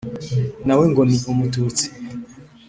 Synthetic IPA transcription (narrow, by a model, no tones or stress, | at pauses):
naweŋɡomiomutut͡si̥